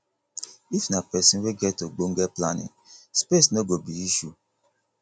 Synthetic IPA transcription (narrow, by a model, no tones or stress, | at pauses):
ifnapɛsĩweɡɛtoɡ͡boŋ̩ɡɛplanḭ̃ | spesnoɡobiiʃu